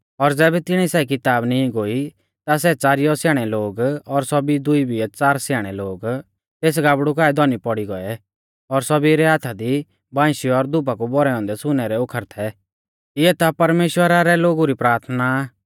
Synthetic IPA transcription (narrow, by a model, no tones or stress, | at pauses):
ɔɾd͡zɛːbɛt̪ɪɽ̃isɛːik̬ɪt̪aːbnĩɡoi | t̪as̬ɛt͡saːɾijɔsjaːɽ̃ɛloːɡɔɾsɔbid̪ʊibiɛt͡saːɾsjaːɽ̃ɛloːɡ | t̪eːs̬ɡaːbɽukaːɛd̪ɔnipɔɽiɡɔɛ | ɔɾsɔbiɾɛɦat̪ʰad̪i | bãːʃiɔɾd̪ʊp̬akubɔɾɛɔ̃ːnd̪ɛsʊnɛɾɛʊkʰəɾt̪ʰɛ | ɪɛt̪apɐɾmeːʃwəɾaɾɛloːɡuɾipɾaːɾt̪ʰnaː